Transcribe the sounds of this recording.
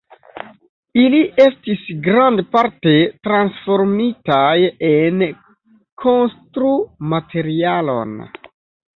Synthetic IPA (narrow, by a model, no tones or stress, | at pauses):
iliʔe̞stisɡɾandpaɾte̞tɾansfo̞ɾmitajen | kʰo̞nstɾumatʰe̞ɾialo̞̰n